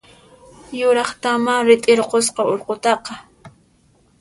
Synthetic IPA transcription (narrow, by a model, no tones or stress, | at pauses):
jʊɾɑχt̪amaɾɪt̪ʼɪɾqos̬qɑoɾqot̪ɑqɑ